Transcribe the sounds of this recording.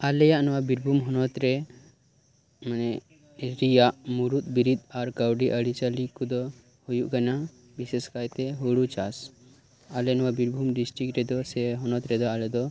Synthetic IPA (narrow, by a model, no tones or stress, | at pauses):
alejanʋabiɾbʱumɦɔnɔt̪ɾe | mənɛ | ɾijaʔmuɾut̪̚biɾid̪aɾkawɖiʔəɽit͡ʃalikud̪ɔ | hojuʔkɐna | biseskajt̪eɦoɽut͡ʃas | alenʋabiɾbʱumɖisʈɾik̚ʈɾɛd̪ɔsɛɦɔnɔt̪ɾɛd̪ɔalɛd̪ɔ